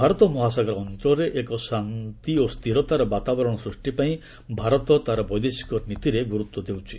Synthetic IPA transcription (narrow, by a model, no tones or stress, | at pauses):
bʱaɾɔt̪ɔmɔɦasaɡɔɾɔnt͡ʃɔɾeʔekɔsant̪iost̪ʰiɾɔt̪aɾɔbat̪abɔɾɔɽ̃ɔsɾusʈipaĩ | bʱaɾɔt̪ɔt̪aɾɔbɔjd̪esi̥kɔɾnit̪iɾeɡuɾut̪wɔd̪ewt͡ʃʰi̥